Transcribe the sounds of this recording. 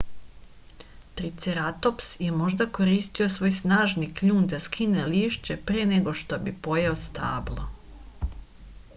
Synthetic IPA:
t̪ɾit̪seɾat̪o̞psjemo̞ʒd̪ako̞ɾiːst̪io̞sʋo̞ːjsnaːʒnikʎuːnd̪askʰineliːʃt͡ɕepɾeneɡo̞ʃt̪o̞bipo̞jeost̪aːblˠo̰

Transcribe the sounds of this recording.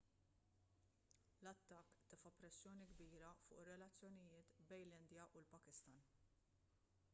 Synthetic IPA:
lɐt̪ːɐkːt̪ɪfɐpɾɛsːjɔːniɡbiːɾɐfʊ̰ːʔrːɛlɐt͡sːjɔnɪjɪːt̪bɛjnlɪnd̪jɐʔʊlpɐkɪst̪ɐn

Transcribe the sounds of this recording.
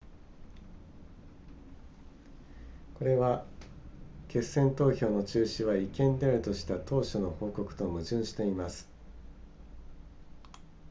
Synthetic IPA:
ko̞ɾe̞βa | ke̞sːẽ̞nt̪o̞ːço̞ːno̞t͡ɕɨːɕiβaikẽ̞nd̪e̞aɾɯ̟t̪o̞ɕi̥t̪at̪o̞ːɕono̞ho̞ːko̞kɯ̟̥t̪o̞mɯ̟ʑɨ̃ɰ̃ɕi̥t̪e̞imasɨ̥

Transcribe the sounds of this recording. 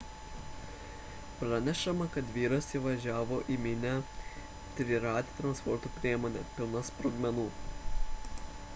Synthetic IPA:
pɾɐnʲɛʃɐmɐkɐt̪ʋʲiːɾɐsʲiʋɐʒʲæːʋoːʔimʲɪnʲæ | t̪ʲɾʲɪɾɑːt̪ʲɪt̪ɾɐnspɔɾt̪upʲɾʲiɛmɔːnʲɛpʲɪlˠnɐspɾoɡmʲɛnuː

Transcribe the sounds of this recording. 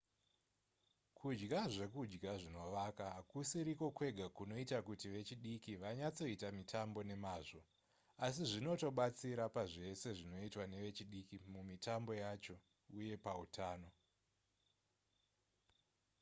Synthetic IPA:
kʰud͡ʒɡaʐe̞kud͡ʒɡaʐino̞ʋakakusiɾiko̞kwe̞ɡʱakuno̞itakutiʋe̞t͡ʃiɗikiʋaɲat͡so̞itamitʰambo̞ne̞maːʐo̞ | asiʐino̞to̞ɓat͡siɾapaʐe̞se̞ʐino̞itwane̞ʋe̞t͡ʃiɗikimumitambo̞jat͡ʃo̞ | uje̞pautʰaːno̞

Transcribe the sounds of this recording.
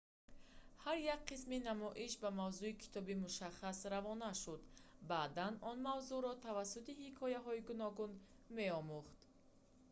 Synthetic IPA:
haɾjak̚qisminamɔʔiʃbamavzuikʰi̥t̪ʰɔbimuʃaχasɾavɔnaʃud̪baːd̪anɔnmavzuɾɔt̪ʰavasːut̪ihikʰɔjaɦɔiɡunɔɡun | me̞ɔmuχt̪

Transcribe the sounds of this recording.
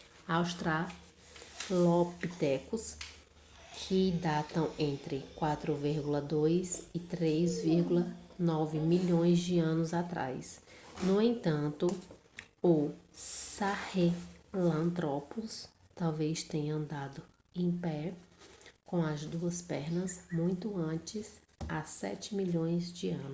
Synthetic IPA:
awʃt̪ɾa | lopit̪ɛkʊs | kʰɪd̪at̪ɐ̃w̃ẽnt̪ɾɪkwat̪ɾʊviɾɡulɐd̪ojzɪt̪ɾezviɾɡulɐnɔvɪmiʎõj̃zd͡ʒɪɐ̃nʊzat̪ɾa̰jsnʊẽt̪ɐ̃nt̪ʊ | ʊsahelɐ̃nt̪ɾɔpɔs | t̪awvejst̪ẽɲɐɐ̃nd̪ad̪ʊ | ẽj̃pɛ | kõw̃ɐzd̪uɐspɛɾnɐzmũj̃t̪ʊɐ̃t͡ʃɪz | asɛ̰t͡ʃɪmiʎõj̃zd͡ʒɪɐ̃nʊ

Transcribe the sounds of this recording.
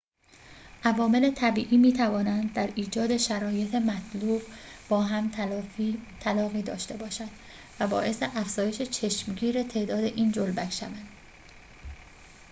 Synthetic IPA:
ʔævɒːme̞le̞t̪ʰæbiːʔiːmiːt̪ʰævɒːnænd̪̚d̪ːæɾiːd͡ʒɒːd̪e̞ʃæɾɒːje̞t̪ʰemæt̪ʰluːbbɒːɦæm | t̪ʰælɒːɣiːd̪ɒːʃt̪e̞bɒːʃænd̪̥ | væbɒːʔe̞seʔæfz̥ɒːje̞ʃe̞t͡ʃʰe̞ʃmɟiːɾet̪ʰe̞ːd̪ɒːd̪e̞ʔiːnd͡ʒolbækʰʃævænd̪̥

